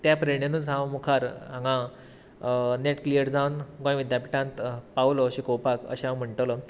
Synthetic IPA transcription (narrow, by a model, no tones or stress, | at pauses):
t̪japɾəɳjanũd͡zʱãwmukʰaɾɦãŋɡã | neʈklijəɾd͡zawnɡõj̃ʋid̪japiʈãnt̪pawloɕikowpakə̰ɕeɦãwm̤əɳʈələ